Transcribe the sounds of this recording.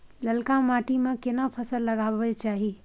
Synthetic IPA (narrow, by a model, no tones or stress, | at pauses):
ləlkãmaːʈimẽkɪnapʰəsəlːəɡaːʋət͡ʃaːɦi